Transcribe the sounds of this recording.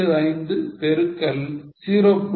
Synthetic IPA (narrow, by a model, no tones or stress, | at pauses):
ɐðɐɪnd̪ɯpɛɾɯkːɐlsiːɾopː